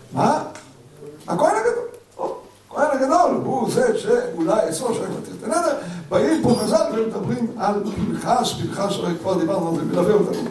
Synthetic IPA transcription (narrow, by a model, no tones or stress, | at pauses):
ma | a̰koenaɡad̪ol | akohenaɡad̪olhuzeʃeulajesoʃaimat̪iʁt̪ened̪eʁbaimpomazalaemed̪abʁimalbilχaʃbilχaʃaʁekvaʁd̪ibaʁnualzemilaviot̪anṵ